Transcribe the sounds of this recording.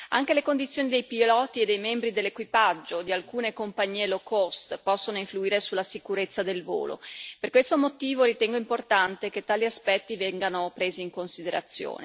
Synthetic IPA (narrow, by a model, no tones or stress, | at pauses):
a̰ŋkelekond̪it̪sːjoːnid̪ejpilɔːt̪ied̪ːejmɛmbɾid̪elːekwipad͡ʒːod̪ialkuːnekompaɲːiːelokost̪pɔsːonoiɱfluiːɾesulːasikuɾet̪sːad̪elvo̰ːlo̰perkwest̪omot̪iːvoɾit̪ɛŋɡoimport̪ant̪eket̪ːaːliaspɛt̪ːivɛŋɡanopɾeːziːŋkonsid̪eɾa̰t̪sːjo̰ːnḛ